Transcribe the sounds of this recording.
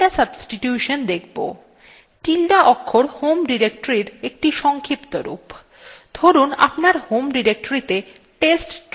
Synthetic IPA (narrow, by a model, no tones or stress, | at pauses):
asəbsʈiʈjuʃond̪ekʰbo̰ | ʈilɖaʔɔkʰːoɾhomɖiɾek̚ʈoɾiɾek̚ʈiʃɔŋkʰipt̪oɾṵp | d̪ʱoɾuna̰pnaɾhomɖiɾek̚ʈoɾit̪e | ʈesʈ